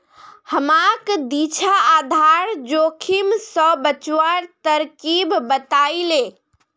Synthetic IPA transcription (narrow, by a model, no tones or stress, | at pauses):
həmakd̪it͡ʃʰaad̪ʱaɾd͡ʒokʰimsəbət͡ʃwaɾt̪əɾkibːət̪ajle